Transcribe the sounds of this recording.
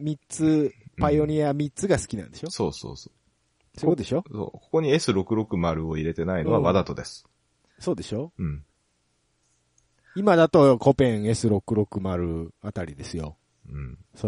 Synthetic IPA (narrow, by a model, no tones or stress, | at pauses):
mʲit͡sɨpajo̞ɲ̟ʲiamʲit͡sɨɡasɨ̥kʲinã̰nd̪e̞ɕo̞so̞̰ːso̰ːsoː | sood̪e̞ɕo̞so̰ːko̞ko̞ɲ̟ie̞sɨɾo̞kɯ̟ɾo̞kɯ̟maɾɯ̟o̞iɾe̞t̪e̞naino̞βaβad̪at̪o̞d̪e̞sɨ̥ | so̞ːd̪e̞ɕo̞ɯ̟̃ɴ | imad̪at̪o̞ko̞pẽɰ̃e̞sɨɾo̞kɯ̟ɾo̞kɯ̟maɾɯ̟at̪aɾʲid̪e̞sɨjo̞̰ | ɯ̟̃ɴ | so